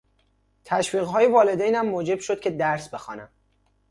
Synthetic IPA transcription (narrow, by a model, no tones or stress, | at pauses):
t̪ʰæʃviːɣɦɒːjevɒːle̞d̪ejnæmːoːd͡ʒe̞b̥ʃod̪̥̚cʲʰe̞d̪æɾsbe̞xɒ̰ːnæm